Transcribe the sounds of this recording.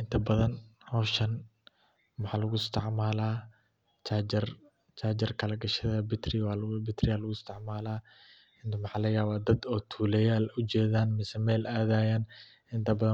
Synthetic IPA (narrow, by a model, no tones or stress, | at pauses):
ʔɪnt̪ʰɐbɐðɐnhɔʃɐn | mɑħɑːlɐɣʊɪst̪ʰɪʕmaːlaː | t͡ʃʰaɪr | t͡ʃʰaːd͡ʒɪrkʰɐlɐɡɐʃɐðɐbɪt̪ʰrɪwaːlbɪt̪rɪjaːlɐɣʊɪst̪ʰɪʕmaːlaː | ɪnt̪ʰɐmɑħɑːlɐjaːβaːd̪ɐd̪ɔːt̪ʰuːlɛjaːlʊt͡ʃɛːðaːnmɪsɛmɛːlaːðaːjaːn | ɪnt̪ʰɐbɐðɐ